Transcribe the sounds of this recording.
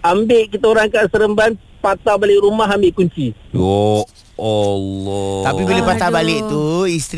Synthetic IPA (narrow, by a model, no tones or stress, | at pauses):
ambɪʔkit̪aoɾaŋkaʔsəɾəmban | pat̪abalɪʔɾumaɦambɪʔkuɲt͡ʃiɔ | ɔlɔt̪apibiləpat̪abalɪʔt̪uist̪ɾ